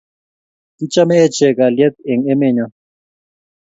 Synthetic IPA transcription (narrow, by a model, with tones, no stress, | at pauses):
ti˦t͡ʃʼa˦mɛː˦t͡ʃɛ˨ka˨ljɛ˦t̪ɛ˨ŋɛ˦mɛ˦˨ɲa˦